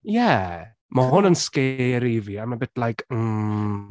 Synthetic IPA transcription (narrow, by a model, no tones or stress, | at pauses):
jɛ | maɦʊnənskeɾiviamabɪtlajkʰm̩